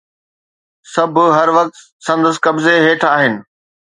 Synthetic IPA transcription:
sɐbʱʊɦɐɾʋɐk̚t̪ | sɐ̃nd̪əskɐbzeɦeːʈʰaːɦɪnɪ̆

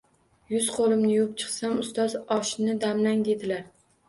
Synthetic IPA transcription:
jʊzqʰolˠɪmnɪjop̚t͡ʃʰɨ̥χsamʊst̪ɒzɒʃnɪd̪amlaŋd̪e̞d̪ɪlaɾ

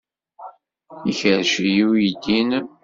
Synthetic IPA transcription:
içəɾʃjijid̪in

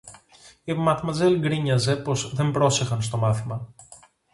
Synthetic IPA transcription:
imɐt̪mɐze̞lɡɾiɲɐze̞po̞zðe̞mbɾo̞se̞xɐns̬t̪o̞mɐθimɐ

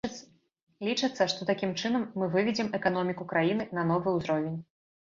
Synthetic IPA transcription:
lʲit͡ʂɨt̪sːɐʂt̪ɔt̪akʲimt͡ʂɨnɐmːɨvɨvʲɛd͡zʲɛmɛkanɔmʲikukɾajinɨnɐnɔvɨuzɾɔvʲenʲ

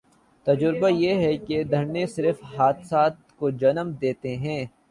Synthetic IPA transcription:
t̪ɐd͡ʒʊɾbajeɦɛked̪ʱɐɾnesɪɾəfɦaːt̪saːt̪kod͡ʒɐnəmd̪eːt̪eɦɛ̃ː

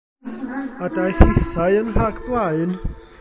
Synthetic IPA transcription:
adajθɪθaɨənhaɡblˠaɨn

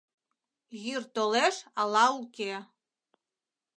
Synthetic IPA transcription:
ɣʲyrt̪oleʃɑlɑuke

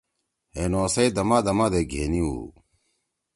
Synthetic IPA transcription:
enoːsɐid̪ɐmaːd̪ɐmaːd̪eɡʱeːniṵː

